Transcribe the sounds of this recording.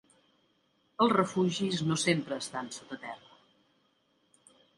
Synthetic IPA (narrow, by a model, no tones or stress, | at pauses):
əlˠzrəfuʒiznosempɾəːst̪ansot̪ət̪ɛrə